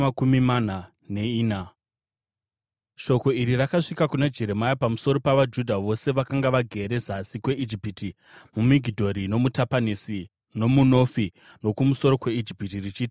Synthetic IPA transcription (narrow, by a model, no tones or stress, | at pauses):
akumimana | ne̞iːna | ʃo̞ko̞iɾirakaʂikakunad͡ʒe̞ɾe̞majapamuso̞ɾo̞paʋad͡ʒudʱaʋo̞se̞ʋakaŋɡaʋaɡʱe̞ɾe̞zasikwe̞ʔid͡ʒipiti | mumiɡʱidʱo̞ɾino̞mutapanisi | no̞muno̞fi | no̞kumuso̞ɾo̞kwe̞id͡ʒipitirit͡ʃiːti̥